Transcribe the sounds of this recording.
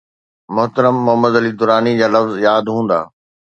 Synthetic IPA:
mʊɦt̪əɾəmːʊɦəmːəd̪əlid̪ʊɾaːnid͡ʑaːlɐfzjaːd̪ɦũːn̆d̪a̰ː

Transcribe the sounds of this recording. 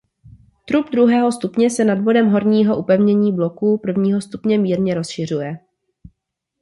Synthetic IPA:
t̪ɾubd̪ɾuɦɛːɦo̞st̪upɲɛsɛnadvo̞dɛmɦo̞ɾɲiːɦo̞ʔupɛvɲɛɲiːblo̞kupr̩vɲiːɦo̞st̪upɲɛmiːɾɲɛɾo̞sʃɪr̝ujɛ

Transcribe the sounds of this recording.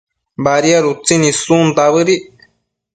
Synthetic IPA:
baɾiaɾut͡sinĩsũnd̪aβɨɾiʔ

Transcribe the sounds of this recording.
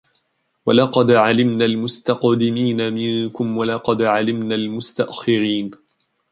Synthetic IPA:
walɑqɑd̪ʕalɪmnaːlmʊst̪aqd̪ɪmiːnamɪŋkʊmwalɑqɑd̪ʕalɪmnaːlmʊst̪aʔxɪɾiːn

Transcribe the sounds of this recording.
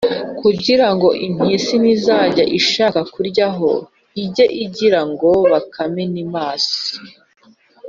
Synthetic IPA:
kuɟiɾaŋɡo̞ʔin̥hisinizaːɟaʔiʃaːkakuɾɟaɦo̞̰ | iɟe̞ʔiɟiɾaŋɡo̞βakʰamenimaːsi̥

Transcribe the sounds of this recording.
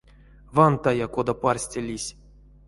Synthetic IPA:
vant̪ajakod̪aparsʲtʲelʲisʲ

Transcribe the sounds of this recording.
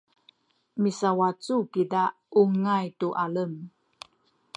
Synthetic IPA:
misawat͡sukida | uŋajtuʔaləm

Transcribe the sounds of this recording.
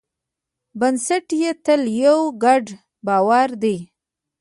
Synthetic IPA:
bansaʈjet̪əljawɡaɖ | bɑwaɾd̪ej

